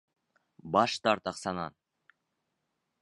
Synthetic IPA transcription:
bɑʃt̪ɑɾt̪ɑqsɑnɑ̰n

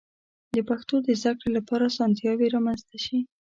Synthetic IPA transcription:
d̪əpaxt̪od̪əzd̪akɽelapɑɾasɑnt̪jɑweɾɑmanzt̪aʃi

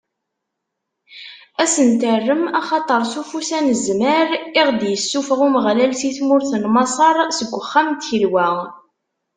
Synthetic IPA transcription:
æsənt̪ərːəmɑχɑt̪ˤəɾˤsufusænəzməɾiʁd̪jəsːufəʁuməʁlælsiθmʊɾθənmɑsˤɑɾˤsəɡʷːəχːæmt̪əlwæ

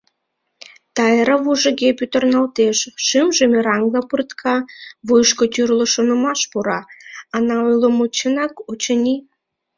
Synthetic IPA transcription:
t̪ɑjəɾəβuʒəɣepyt̪ə̆rnɑlt̪eʃːɨmʒəmeɾɑŋɡlˠɑpɨrt̪kʰɑβujʃkot̪yrlŏʃonŏmɑʃpuɾɑːnɑojlomut͡ɕənɑkut͡ɕənʲi

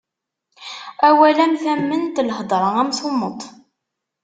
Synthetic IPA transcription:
æwælæmθæmːənt̪ləhd̪ˤɾˤəʁæmθomːət̪ˤ

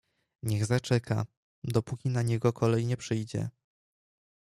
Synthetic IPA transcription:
ɲɛɣzat͡ʂɛkʰa̰ | d̪ɔpukʲinaɲɛɡɔkʰɔlɛjɲɛpʂɘjd͡ʑɛ̰

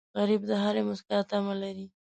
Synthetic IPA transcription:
ɣaɾibd̪əɦaɾemʊskɪlat̪amalaɾi

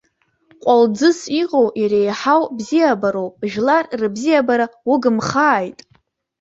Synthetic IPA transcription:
qʷʼald͡zɨsiqʼowjaɾejħawbzijabaɾowpʼʒᶣlarrɨbzijabaɾaʊɡɨmχaːjtʼ

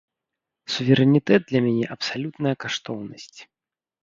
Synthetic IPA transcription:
suvʲɛɾɛnʲit̪ɛd̪̚d̪lʲɐmʲanʲɛʔɐpsalʲut̪nɐjɐkaʂt̪ɔwnɐsʲt͡sʲ

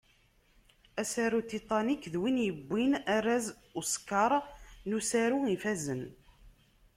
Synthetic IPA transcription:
æsæɾut̪it̪ˤɑnikːðwinjəbːinæɾæz | uskɑɾˤnusæɾuifæzən

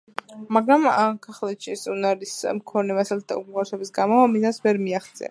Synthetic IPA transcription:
maɡɾamakʰaχlɛt̪ʃissʼunaɾismkʰɔnɛmasalt̪̚ʰd̪a̰ukʼuʁaɾsɔbisɡamɔamid̪asvɛɾmiaχt̪sʼɛ̰a̰

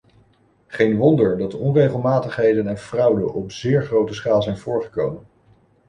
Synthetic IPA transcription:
χejnʋɔndəɹdɑdəɔnrejχəlˠmaːtəχɦejdənɛnv̥rʌwdə̰nʔɔpz̥ɪːɹχrowtəsχaːlˠzɛjnv̥ʊːɹχə̥kowmən

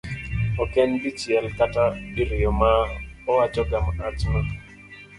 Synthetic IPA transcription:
ɔkɛnbit͡ʃjɛlkatabiɾɪjɔmaɔwat͡ʃɔɡamat͡ʃna

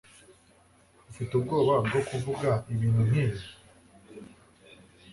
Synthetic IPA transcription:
bufitub̚ɡo̞ːβabɡo̞kuvuɡaiβiːnhun̥hiːβi

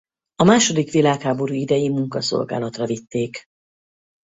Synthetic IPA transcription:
ɒmaːʃo̞d̪ikʋilaːkhaːbo̞ɾuːid̪ɛjimuŋkɒso̞̰lɡa̰ːlɒt̪rɒvit̪ːeːk

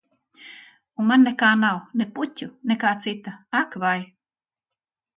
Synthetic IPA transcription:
umanːɛkaːnawneputʲunekaːt̪sit̪aakvaj

